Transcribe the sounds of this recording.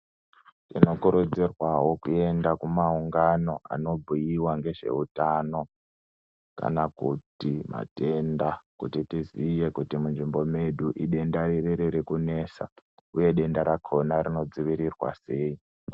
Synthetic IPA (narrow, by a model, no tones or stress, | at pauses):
tino̞kuɾud͡zirwaɦo̞kue̞ndakumauŋɡano̞a̰no̞bʱijiwaŋɡe̞ʐe̞̰utano̞ | ka̰nakṵtima̰te̞ndakutitizije̞kutimunʐimbo̞meɗuʔiɗe̞ndaririɾiɾikune̞sa̰uje̞ɗe̞ndaɾakʰo̞naɾino̞d͡ziʋiɾirwa̰se̞ːi